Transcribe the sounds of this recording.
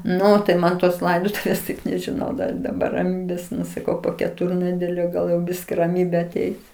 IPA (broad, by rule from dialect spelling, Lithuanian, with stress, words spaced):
ˈnʊ tɐɪ ˈmɐn toːs ˈlˠɐɪdoːtʊʋʲeːs tɐɪp nʲɛʒʲɪˈnɐʊ dɐr ɪ dɐˈbɐr rɐˈmʲiːbʲeːs ˈnʊ sɐˈkɐʊ poː kʲɛˈtʊrʲnʲɛdʲɛlʲoː ˈɡɐlˠ jɛʊ ˈbʲɪsʲkʲɪ rɐˈmʲiːbʲeː ɐˈtʲɛɪs